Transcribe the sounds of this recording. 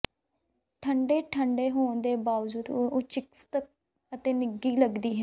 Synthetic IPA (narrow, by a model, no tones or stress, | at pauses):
ʈʰəɳɖeːʈʰəɳɖeːɦoːɳd̪eːbaːʋd͡ʒuːd̪oːt͡ʃɪkst̪ək̚ | ət̪eːnɪɡiːləɡd̪iːɦɛ